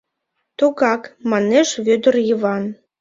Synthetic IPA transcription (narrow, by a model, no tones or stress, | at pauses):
t̪oɣɑkmɑneʃβød̪ə̆rjəβɑn